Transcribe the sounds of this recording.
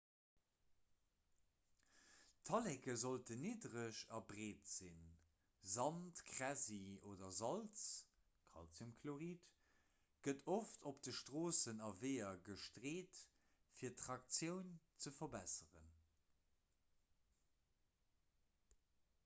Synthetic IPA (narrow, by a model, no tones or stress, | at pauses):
tʰɑlɛkəzoltəniːdʁəʃɑbʁeːtz̥in | zɑntkʁæzioːdɐzɑlt͡s | kʰɑ̰lt͡sumkʰloʁiːt | ɡ̥ətʰoftʰop̚d̥əʃtʁoːsənɑveɪɐɡəʃtʁeːt | fiːɐtʁɑk̚t͡sjəʊnt͡səfɐbæsəʁə̰n